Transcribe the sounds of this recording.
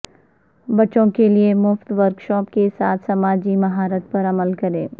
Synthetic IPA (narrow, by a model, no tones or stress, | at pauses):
bɐːt͡ʃõkeliemʊft̪ʋɐɾkʃɔːp̚kesaːt̪ʰsɐmaːd͡ʒimɐɦaːɾət̪̚pɐɾɐməlkɐɾẽː